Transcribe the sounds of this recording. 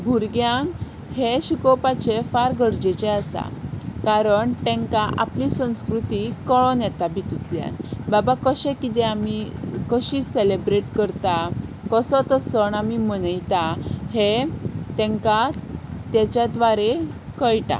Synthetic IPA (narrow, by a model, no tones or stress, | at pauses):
bʱuɾɡjãŋ | heɕukɔwpat͡ɕefaɾɡəɾd͡ʑet͡ɕeasa̰kaɾəɳʈ̪ɛ̃ŋkaʔa̰plisə̃w̃skɾut̪ikɔɭɔnjɛt̪abʱit̪ut̪lja̰nbabakəɕɛ̃kit̪ɛ̃amikəɕiselebɾeʈkəɾt̪a | kəsɔt̪əsəɳamimənəjt̪ahet̪ɛ̃ŋkat̪jɛt͡ɕjat̪ʋaɾekəjʈa̰